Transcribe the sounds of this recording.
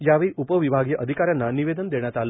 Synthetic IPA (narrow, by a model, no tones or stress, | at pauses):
jaʋeɭiʔupəʋibʱaɡjəʔəd̪ʱikaɾjanːaniʋed̪ənd̪eɳ̃jat̪al